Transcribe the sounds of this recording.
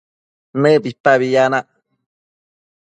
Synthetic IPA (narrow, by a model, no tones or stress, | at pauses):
nɨbipaβijanaʔ